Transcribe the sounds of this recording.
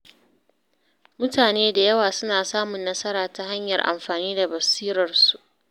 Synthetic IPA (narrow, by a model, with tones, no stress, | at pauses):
mʊ˦taː˨neː˦da˨jɐ˦waː˨sʊ˦naː˨saː˦mʊ˨nːɐ˦sɐ˦ɾaː˨ta˨ha˦ɲjɐ̰˨rʔa̰˨mɸaː˨niː˦da˨bɐ˨siː˦ɾɐ˨rsu˨ʔ